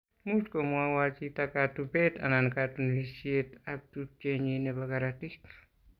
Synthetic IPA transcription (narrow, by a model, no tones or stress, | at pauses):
muskomuawat͡ʃitakatubeta̰nankatunlisietap̚tut͡ʃeɲinebaɡaɾatik